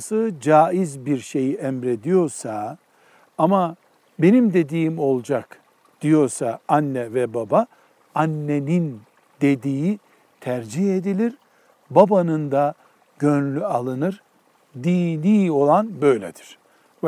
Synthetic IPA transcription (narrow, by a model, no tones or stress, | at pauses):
sɯd͡ʒaːizbiɾʃe̞jiʔɛmɾe̞d̪ijo̞ɾsa | ama | be̞nimd̪e̞d̪iːmo̞lˠd͡ʒak | d̪̥ijo̞ɾsaanːɛvɛbaba | anːenin | d̪e̞d̪iːi | t̪ʰæɾd͡ʒihe̞d̪ilʲiɾ | babanɯnd̪a | ɟ̥ønlʲyalˠɯnɯɾ | d̪iːlʲiːo̞lˠanbø̞jlʲḛd̪iɾ̥